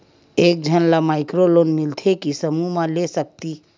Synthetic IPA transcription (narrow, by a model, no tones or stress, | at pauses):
eːk̚d͡ʒʱənlamaːɪkɾolonmɪlt̪ʰekisəmumãlesək̚t̪i